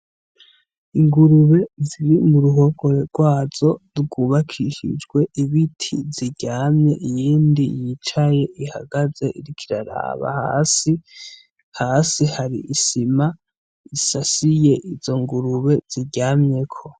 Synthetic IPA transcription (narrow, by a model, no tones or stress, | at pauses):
iŋɡuɾuβe̞ziɾimuɾuɦo̞ɡo̞ɾeɾɡ̥waːz̥o̞ɾɡuβakʰiʃḭd͡ʒɡwe̞ʔiβitʰḭziɟaːmɲe̞ʔijiːndḭjit͡ʃaje̞ʔiha̰ɡaze̞ʔiɾikʰiɾaɾa̰βa̰ha̰si | haːsihaɾḭʔisima | isasije̞ʔiz̥o̞ŋɡuɾuβe̞z̥iɟaːmɲe̞kʰo̞